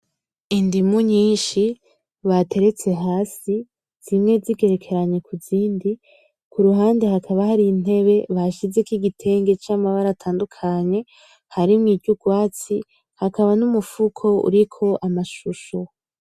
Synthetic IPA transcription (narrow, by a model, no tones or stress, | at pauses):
indimuɲiːnʃi | βatʰe̞ɾe̞t͡se̞ɦaːsi | z̥imŋe̞ziɡe̞ɾe̞kʰe̞ɾaɲe̞kuziːndi | kuɾuɦaːndehakʰaβahaɾin̥e̞βe̞βaʃize̞kiɡitʰe̞ːŋɡe̞t͡ʃaːmaβaɾatʰaːndukʰaɲe̞ | haɾimŋiːɟɟuɡwaːt͡si | hakaβanumufukʰo̞ṵɾikʰo̞ʔamaʃuʃo